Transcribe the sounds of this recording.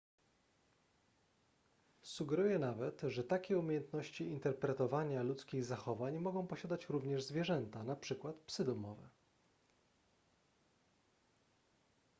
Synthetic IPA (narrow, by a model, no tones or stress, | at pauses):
suɡɛɾujɛnavɛt̪ʐɛt̪akʲɛumʲejɛnt̪nɔɕt͡ɕiint̪ɛɾpɾɛt̪ɔvaɲalut̪skʲiɣzaxɔvaɲmɔɡɔ̃w̃pɔɕad̪at͡ɕɾuvɲɛʐzvʲjɛʐɛnt̪anapʂɘkwat̪psɘd̪ɔmɔvɛ̰